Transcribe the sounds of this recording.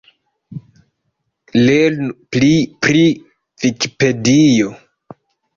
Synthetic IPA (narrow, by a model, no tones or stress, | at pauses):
lelnuplipɾi | viki̥pedijo